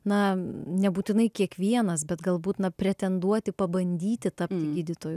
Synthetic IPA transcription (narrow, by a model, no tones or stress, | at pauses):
nɐnʲɛbuːt̪ʲɪnɐɪkʲiɛkʋʲiɛnɐsbʲɛt̪ɡɐlˠbuːt̪nɐpʲɾʲɛt̪ʲɛnd̪uɔt̪ʲɪpɐbɐnʲd̪ʲiːt̪ʲɪt̪ɐpʲt̪ʲɪɡʲiːd̪ʲɪt̪oːjʊ